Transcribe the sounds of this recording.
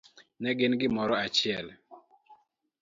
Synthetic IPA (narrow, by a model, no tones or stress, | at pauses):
nɛɡɪnɡɪmɔɾɔat͡ʃɪɛl